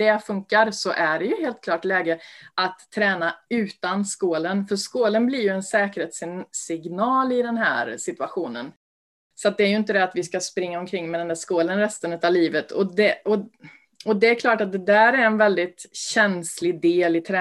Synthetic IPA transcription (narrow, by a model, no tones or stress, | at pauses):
d̪̥ɛfɵŋkaɾsɔʔæɖɛjɵɦeːlt̪kʰlɑːʈlɛːɡəat̪ʰːɾɛːnaʉ̟ːt̪anskoːlənfœɾʂkoːlənblɪɾjɵɛnsɛːkəɾheːt̪sɪsɪɡnɑːlɪd̪ɛnɦæ̰ːɾsɪt̪ɵaɧuːnə̰n | sɔat̪̚d̪ɛæɾjɵɪnt̪əd̪ɛat̪vɪskaspɾɪŋːaɔmkʰɾɪŋːmɛd̪ɛnd̪æːʂkoːlənɾɛst̪ənʉt̪avliːvət̪ʰɔd̪ɛɔ | ɔd̪ɛːɾkʰlɑːʈat̪̚d̪ɛd̪æːɾæɾɛnvɛld̪ɪt̪ɕɛnslɪd̪eːlɪt̪ʰɾɛ